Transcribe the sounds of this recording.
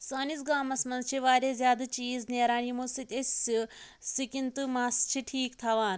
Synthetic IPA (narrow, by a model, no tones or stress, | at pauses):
saːnis̬ɡaːmɐsmɐnzt͡ʃʰiʋaːɾʲeːzjaːd̪at͡ʃiːzneːɾaːnimosit̪ʲesi | sikint̪umaːst͡ʃʰiʈʰiːkt̪ʰɐʋaːn